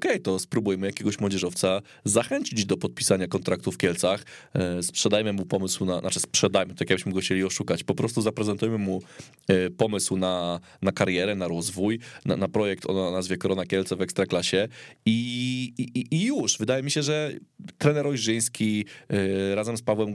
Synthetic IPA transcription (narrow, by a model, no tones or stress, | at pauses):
ɔkɛjt̪ɔspɾubujmɘjakʲeɛɡɔɕmwɔd͡ʑɛʐɔft̪sa | zaxɛɲt͡ɕid͡ʑd̪ɔpɔt̪̚pʲi̥saɲakɔnt̪ɾak̚t̪ufkʲɛlt̪saxspʂɛd̪ajmɘmupɔmɘswnanat͡ʂɘspʂɛd̪ajmɘt̪akjaɡ̚bɘ̥ɕmɘɡɔxt͡ɕelʲiɔʂukat͡ɕpɔpɾɔst̪uzapɾɛzɛnt̪ujmɘmu | pɔmɘswna | nakaɾjɛɾɛnaɾɔzvujna̰napɾɔjɛk̚t̪ʰɔ̰nnazvʲjɛkɔɾɔnakʲɛlt̪sɛvɛkst̪ɾaklaɕɛi | iijuʂvɘd̪ajɛmʲiɕɛʐɛt̪ɾɛnɛɾɔjʐɘj̃skʲi | ɾazɛmspavwɛm